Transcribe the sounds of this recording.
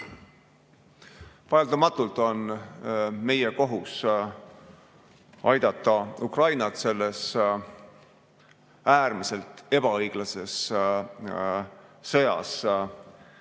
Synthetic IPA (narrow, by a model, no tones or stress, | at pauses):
vɑeld̪̥ɑmɑt̪ːˑult̪o̞n | me̞je̞ko̞ɦus | ɑjd̪ɑt̪ːˑɑukrɑjnɑt̪se̞lːe̞s | æːrmise̞lt̪ˑe̞b̥ɑɤjɡ̥lɑse̞s | ɤ̞jɑ̰s